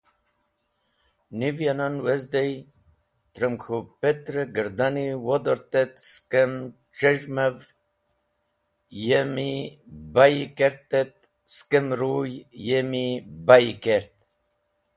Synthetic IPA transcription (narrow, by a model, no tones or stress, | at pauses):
nivjananwezd̪ej | t̪ɾəmkʰupet̪ɾeɡəɾd̪aniwod̪oɾt̪et̪skem | ʈ͡ʂəʒmev | jemibajikeɾt̪et̪̚ | skemɾujjemibajikeɾt̪